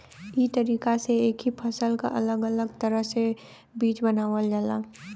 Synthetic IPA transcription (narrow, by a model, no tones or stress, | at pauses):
iːt̪əɾiːkaseeːkɦipʰəsəlka̰ʔə̰ləɡələɡt̪əɾəɦse | biːt͡ʃbənaːʋəld͡ʒala̰